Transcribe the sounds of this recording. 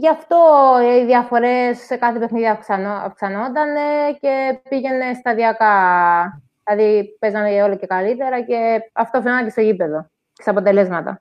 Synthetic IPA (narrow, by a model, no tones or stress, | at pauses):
ʝɐft̪o̞iðjɐfo̞ɾe̞sːekɐθepe̞xniðiɐkɐɐ̰fksɐno̞nd̪ɐne̞ce̞piʝe̞ne̞st̪ɐðiɐkɐ | lɐðipe̞zɐneo̞loce̞kɐlit̪e̞ɾɐce̞ɐft̪o̞θenɐnɐce̞seipe̞ðo̞ | ce̥st̪ɐpo̞t̪e̞le̞zmɐt̪ɐ̰